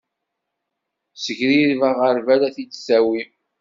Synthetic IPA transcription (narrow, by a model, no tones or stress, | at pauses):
səʝɾiɾvæʁəɾvælæθisæwi